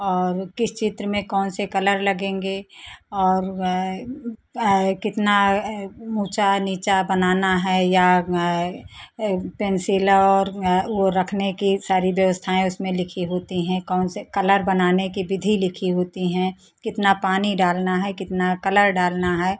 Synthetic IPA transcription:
ɔːɾkɪst͡ʃɪt̪ɾəmẽkɔːnsekɐləɾlɐɡẽːŋɡeɔːɾ | kɪt̪na | muːt͡ʃaniːt͡ʃabɐnaːnaɦɛːja | peːnsɪːləɔːɾʋoɾɐkʰnekisaːɾiʋjəʋəst̪ʰaːẽʊsmẽlɪkʰiɦoːt̪iɦɛ̃kɔːnsekɐləɾbɐnaːnekibɪd̪ʱilɪkʰiɦoːt̪iɦɛ̃ | kɪt̪napaːniɖaːlnaɦɛkɪt̪nakɐləɾɖaːlnaɦɛː

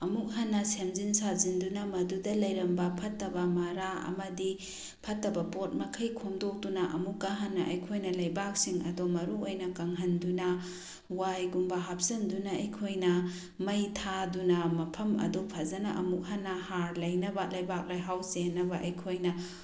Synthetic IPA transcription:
ɐmuk̚ɦɐnːɐsemzinsazindunɐmɐdudɐlɐjɾɐmbɐpʰɐtːɐbɐmɐɾaɐ̰mɐdi | pʰɐtːɐbɐpot̚mɐkʰɐjkʰomdok̚dunɐʔɐmukːaɦɐnːɐʔɐjkʰojnɐlɐjbak̚siŋɐ̰domɐɾuojnɐkɐŋɦɐndunɐ | wajɡumbɐɦap̚sɐmdunɐɐjkʰojnɐ | mɐjtʰadunɐmɐpʰɐmɐ̰dopʰɐzɐnɐ̰ʔɐmuk̚ɦɐnːɐhaɾlɐjnɐbɐlɐjbak̚lajɦawsenːɐbɐʔɐjkʰojnɐ

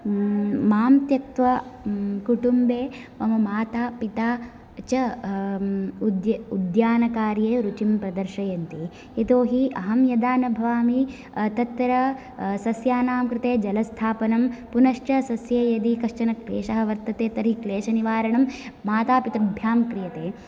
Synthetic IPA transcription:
maːmt̪jɐk̚t̪ʋɐkuʈumbeː | ʋɐmɐmaːt̪aːpit̪aː | t͡ʃɐ | ud̪jɐud̪jaːnɐkaːɾjeːɾut͡ʃimpɾɐd̪ɐɾʃɐjɐnt̪i | et̪oːɦiʔɐɦɐmjɐd̪aːnɐbʱɐʋaːmi | t̪ɐt̪ːɐɾɐ | sɐsjaːnaːmkɾɪt̪eːd͡ʒɐlɐst̪ʰaːpɐnɐmpunɐʂʈɐsɐsjɐjɐd̪ikɐʂt͡ʃɐnɐkɾḛːʂɐɦɐ̆ʋɐɾt̪ɐt̪eːt̪ɐɾɦikleːʃɐniʋaːɾɐɳɐmmaːt̪aːpit̪ɐɐbʱjaːmkɾijɐt̪eː

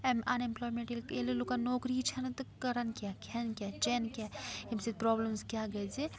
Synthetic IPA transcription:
emɐnẽmplɔːjmẽɳʈelkeːlelokanoːkɾit͡ʃʰɐnt̪ukɐɾɐnkjakʰɛnkʲjat͡ʃenkʲaimsed̪̚pɾɔːbləmskjaɡɐd͡ʒe

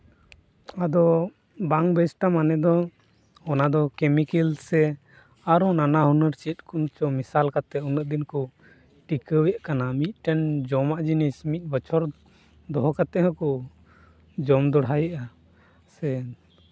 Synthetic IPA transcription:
ad̪ɔ | baŋbɛsʈamanɛd̪ɔ | ɔnad̪ɔkɛmikilsɛ | aɾɔnanaɦunəɾt͡ʃɛt̪̚ˀkunt͡ʃɔmisalkat̪ɛunəʔ̚d̪inkɔ | ʈikəwjaʔkanamit̪̚ˀʈɛnd͡ʒɔmaʔd͡ʒinismit̪̚ˀbət͡ʃʰɔɾ | d̪ɔɦɔkat̪ɛɦəkɔ | d͡ʒɔmd̪ɔɽɦajəʔa | sɛ

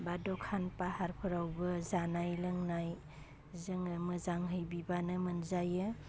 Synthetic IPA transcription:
badɔkʰanpahaɾpʰɯɾawbɯzanajlɯŋnaj | zɯŋamɯzaŋɦɯjbibanɯmɯnzajɯ

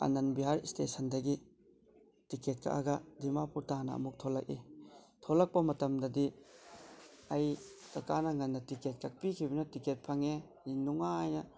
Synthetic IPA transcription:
a̰nɐnbiɦaɾistesɐndɐɡi | tiket̚kʰa̰ʔa̰ɡɐdimapuɾtanɐ̰ɐ̰muk̚tʰolɐk̚itʰolɐk̚pɐmɐtɐmdɐdi | ɐjkɐkanɐŋɐnːɐtiket̚kʰɐk̚pikʰibɐnɐtiket̚pʰɐŋe | inuŋaːjnɐ

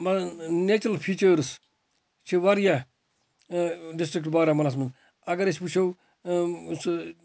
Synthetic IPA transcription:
mɐnet͡ʃɐlpʰiːt͡ʃəːɾs | t͡ʃʰiʋɐɾja | ɖisʈɾik̚ʈbaːɾamɐnas̬mɐn | ɐɡɐɾesput͡ʃʰow | s

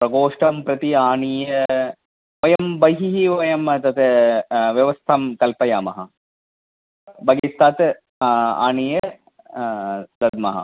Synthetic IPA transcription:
pɾɐɡoːʂʈɐmpɾɐt̪iaːɳijɐ | ojɐmbɐjɦiɦiʋɐjɐmt̪ɐt̪eʋjɐʋɐst̪ʰɐmkɐlpɐjaːmɐɦɐ | bɐɡist̪ːaːt̪ | a̰ːɳijɐ | d̪ɐd̪̚mɐɦɐ̰

